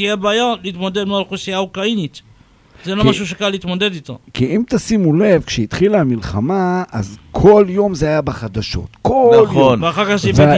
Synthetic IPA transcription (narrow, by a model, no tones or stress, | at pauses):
t̪ijebaːjaliːt̪mod̪ed̪meolχusijaokainit̪ | zelomaʃuʃ̬ekalːit̪mod̪ed̪it̪a̰kiimt̪asimulevkʃeit̪χilamilχamaa̰zkʰo̞ljo̞mzeajabeχad̪aʃo̞̰t̪koljonveaχaʁkaχzive